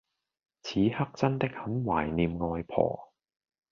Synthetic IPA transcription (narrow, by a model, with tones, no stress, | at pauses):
t͡sʰiː˨˥hɐ˥k̚t͡sɐ˥nt̪ɪ˥k̚hɐ˨˥mwaː˨˩jniː˨mŋɔː˧jpʰɔ̰ː˨˩